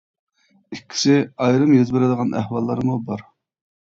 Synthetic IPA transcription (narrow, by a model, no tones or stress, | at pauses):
ikʲʰːi̥sɪɑjɾɨmjøzbɪɾɪd̪əʁɑnʔæ̰hwɑlˠːɑɾmubɑɾ